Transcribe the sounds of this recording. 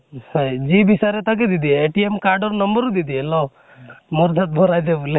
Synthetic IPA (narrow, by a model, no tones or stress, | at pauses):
d͡ʒibisaɾet̪ak̬ed̪id̪ieːʈiemkaɾɖɔɾnəmbəɾud̪id̪ielɔ | moɾd̪ʱat̪̚bʱɔɾajd̪ebule